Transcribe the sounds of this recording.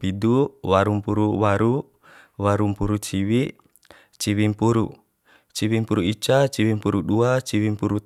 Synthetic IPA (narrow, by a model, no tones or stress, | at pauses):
piduwaɾumpuɾuwaɾu | waɾumpuɾut͡ʃiwi | t͡ʃiwimpuɾṵ | t͡ʃiwimpuɾuit͡ʃat͡ʃiwimpuɾuɗuat͡ʃiwimpuɾu